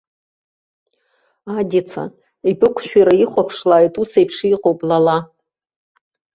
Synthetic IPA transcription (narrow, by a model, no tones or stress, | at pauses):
adʲit͡sʰa̰ | ibɨkʷʰʃᶣaɾaiχʷapʰʂlaːjtʼusejpʰʂiiqʼowpʼlala